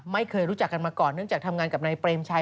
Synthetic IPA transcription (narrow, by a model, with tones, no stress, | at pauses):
ma˥˩jkʰɤː˧jɾuː˦˥t͡ɕa˨˩kːa˧nmaː˧kɔː˨˩nːɯ˥˩əŋt͡ɕaː˨˩k̚t̪ʰa˧mŋaː˧nka˨˩p̚naː˧jpɾeː˧mt͡ɕʰa˧